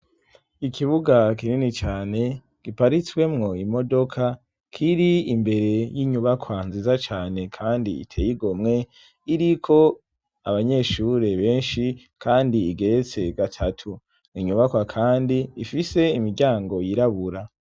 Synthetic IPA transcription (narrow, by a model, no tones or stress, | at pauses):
ikʰiβuɡakininit͡ʃaːne̞ | ɡ̥ipaɾit͡swe̞mŋo̞imo̞do̞kʰa | kʰiɾiimbe̞ɾe̞jiɲuβakʰwanziːzat͡ʃaːne̞kʰaːndḭḭtʰe̞̰jiɡomŋe̞ | iɾikʰo̞ | a̰βaɲe̞ʃuɾe̞βe̞ːnʃi | kʰaːndiːɡe̞ɾet͡se̞ɡatʰatʰu | niɲuβakwakʰaːndiːfise̞imiɾɟaːŋɡo̞jiɾaβuɾa